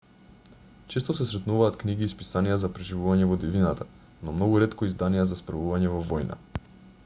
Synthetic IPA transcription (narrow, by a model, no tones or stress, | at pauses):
t͡ʃɛst̪ɔsɛsɾɛt̪nuvaːt̪kniɡiːspisanijazapɾɛʒivuvaɲɛvɔd̪ivinat̪ʰa | nɔmnɔɡuɾɛt̪kɔizd̪anijɛzaspɾavuvaɲɛvɔvɔjna̰